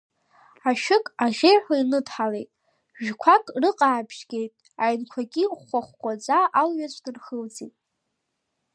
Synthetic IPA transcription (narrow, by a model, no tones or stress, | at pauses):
aʃᶣɪkʼaʁʲejħʷainɨdħalejtʼ | ʒᶣkʷʰakʼrɨqʼaːbʰʒɡʲe̞jtʼ | ajnkʷʰaɡʲiχʷaχʷkʷʼad͡zʷʼaʔalɥat͡ɕʷʰʼdɨrχəld͡zitʼ